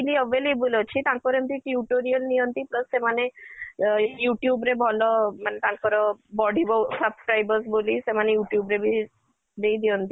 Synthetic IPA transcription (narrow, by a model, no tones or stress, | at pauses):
liəʋelebulɔt͡ʃʰit̪ãŋkɔɾemt̪iʈjuʈoɾijəlniɔ̃nt̪ipləsːemane | juʈijubɾebʱɔlɔmanet̪ãŋkɔɾɔbɔɖibɔsəbskɾajbəɾsbolisemanejuʈijubɾebʱi | d̪ejd̪iɔnt̪i